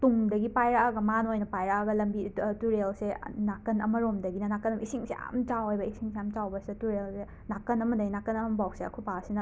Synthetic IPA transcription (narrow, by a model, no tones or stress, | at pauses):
tuŋdɐɡipajɾɐaɡɐmanojnɐpajɾɐaɡɐlɐmbituɾelsenakːɐnɐmɐɾomdɐɡinɐnakɐnɐbɐisiŋseja̰mt͡ʃawhajbɐisiŋsejamt͡ʃawbɐsiɐtuɾelse | nakɐnɐmɐdɐɡinakːɐnɐmɐbawkseɐkʰupasinɐ